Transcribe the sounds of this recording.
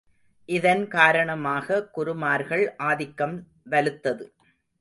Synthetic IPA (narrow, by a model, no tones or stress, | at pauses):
ʔɪðɐnkaːɾɐɳɐmaːɣɐkʊɾʊmaːɾɣɐɭʔaːðɪkːɐm | ʋɐlɯt̪ːɐðɯ